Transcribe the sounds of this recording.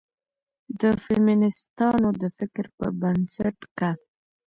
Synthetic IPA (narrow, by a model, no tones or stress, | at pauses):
d̪əfɪminɪst̪ɑnod̪əfɪkɾpə̰bansaʈka